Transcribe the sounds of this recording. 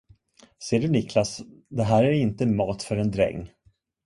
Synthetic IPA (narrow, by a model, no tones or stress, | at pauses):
seːɖɵnɪklasd̪ɛɦæːɾæɾɪnt̪əmɑːt̪fœɾɛnd̪ɾɛ̰ŋː